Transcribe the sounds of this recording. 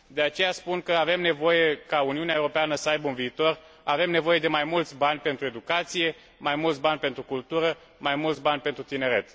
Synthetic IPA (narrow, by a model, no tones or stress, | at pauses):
d̪e̞at͡ʃe̞jaspunkəave̞mne̞vo̞je̞kauniuneaewɾo̞peanəsəajbəunviːt̪o̞r | ave̞mne̞vo̞je̞d̪e̞majmult̪sʲbanʲpe̞nt̪ɾue̞d̪ukat̪sije̞ | majmult̪sʲbanʲpe̞nt̪ɾukult̪uɾə | majmult̪sʲbanʲpe̞nt̪ɾut̪ine̞ɾe̞t̪